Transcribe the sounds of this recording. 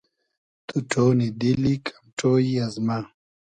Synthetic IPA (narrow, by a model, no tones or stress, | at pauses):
t̪uʈʰoːnid̪ilikʰḁmʈʰoːiɐzma